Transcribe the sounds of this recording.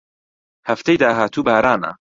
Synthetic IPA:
hɐft̪ejd̪aːɦaːt̪ʰuːbaːɾaːna̰

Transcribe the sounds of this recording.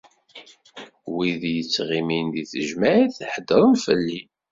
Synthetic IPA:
wiðjət͡sːʁiminðiθəʒmæʕiθħəd̪ːəɾˤənfəlːi

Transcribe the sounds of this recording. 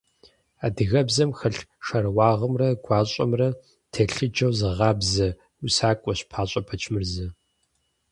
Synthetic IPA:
aːdɨɣɐbzɐmxɐɬʃɐrwɑːʁəmrɐɡʷɑːɕʼɐ̰mrɐ | tʰeɬɨd͡ʒɐwzɨʁɑːbzɐ | usaːkʷʼɔɕpʰaːɕʼɐpʰɐt͡ʃʰmɨrzɐ

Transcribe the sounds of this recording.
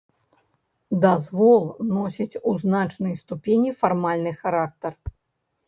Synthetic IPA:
d̪azvɔlˠnɔsʲit͡sʲuznat͡ʂnɨjst̪upʲenʲifarmalʲnɨxaɾak̚t̪ɐr

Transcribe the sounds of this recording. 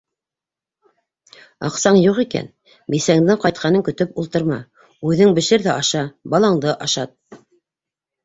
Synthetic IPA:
ɑ̰qsɑɴjuʁikæ̰n | bisæŋd̪ɘŋqɑjt̪̚qɑnɤŋkɵ̆t̪ɵpulˠt̪ɤ̆ɾmɑ̰ | ʉðɘŋbɘ̆ʃɘɾðæʔɑʃɑbɑlˠɑŋd̪ɤʔɑʃɑt̪̚

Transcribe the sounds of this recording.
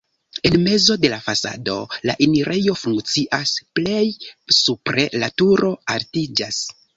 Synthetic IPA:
e̞nme̞zo̞de̞lafasa̰do̞̰la̰ʔiniɾʔe̞jo̞fuŋkt͡siʔasple̞jsupɾe̞latuɾo̞altid͡ʒas

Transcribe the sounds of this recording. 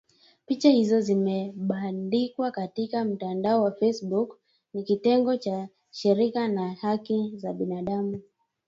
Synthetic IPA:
pit͡ʃahizɔzimɛɓandikwakatikam̩tandaɔwafɛsɓuk | nikitɛŋɡɔt͡ʃa | ʃiɾikanahakizaɓinaɗamu

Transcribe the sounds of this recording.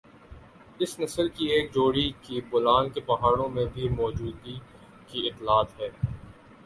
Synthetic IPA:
ɪsnɐsəlkieːk̚d͡ʒoːɽikibʊlaːnkepɐɦaːɽ̃õmẽbʱimɔːd͡ʒuːd̪i | kiɪt̪ːlaːt̪ɦɛː

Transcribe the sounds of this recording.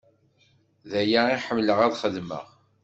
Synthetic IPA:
ðæjaiħəmːləʁæðχəðmə̰ʁ

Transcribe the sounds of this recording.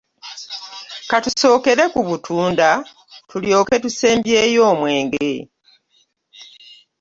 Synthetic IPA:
katuso̞ːke̞ɾe̞kuβutʰuːnda | tuljo̞ːke̞tuse̞ːmbje̞ːjo̞ːmwe̞ːŋɡɾe

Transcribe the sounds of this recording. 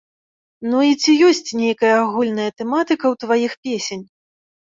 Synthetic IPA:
nuit͡sʲijɔsʲt͡sʲnʲejkɐjɐaɣulʲn̪ɐjɐt̪ɛmat̪ɨkɐwt̪vajixpʲesʲenʲ

